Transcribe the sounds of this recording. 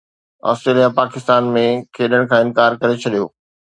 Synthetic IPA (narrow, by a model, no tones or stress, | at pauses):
ɔ̰ːstɾeːlijapaːkɪst̪aːnmẽkʰeːɗəɽ̃kʰãːɪ̃nkaːɾkɐɾet͡ɕʰɐɗijoː